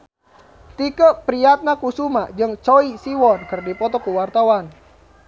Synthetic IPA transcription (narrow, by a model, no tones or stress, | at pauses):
t̪ikəpɾiat̪̚nakusumad͡ʒɨŋt͡ʃɔisiwɔnkərdipɔt̪ɔkuwart̪awan